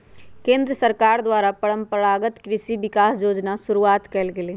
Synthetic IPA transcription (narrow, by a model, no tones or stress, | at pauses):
kẽːnd̪ɾəsəɾkaːɾd̪waːɾapəɽə̃mpəɽaːɡət̪kɾɪʃiʋɪkaːsjoːd͡ʒnasʊɾuaːt̪kɛlɡeleː